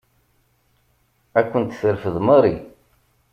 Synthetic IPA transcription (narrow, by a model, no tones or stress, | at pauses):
ækʷːənt̪θəɾfəðməɾˤi